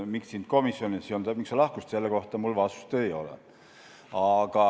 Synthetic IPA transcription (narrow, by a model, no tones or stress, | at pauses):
mikssint̪̚ko̞misːjonisiont̪æmiksolɑhkust̪se̞lːeko̞ht̪ɑmulvɑsu̥st̪ejo̞̰lɛ̰ | ɑɡ̥ɑ